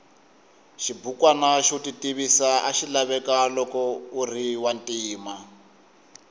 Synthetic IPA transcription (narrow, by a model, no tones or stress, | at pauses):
ʃibukwanaʃutitiβisaaʃilaβɛkalɔkɔuriwantʼiːma